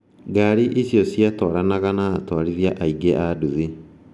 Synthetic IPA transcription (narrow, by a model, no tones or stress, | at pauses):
ɡaɾiʔesjɔsjatɔɾanaɣanaːtwaɾiðjaʔaiɡeʔaduðe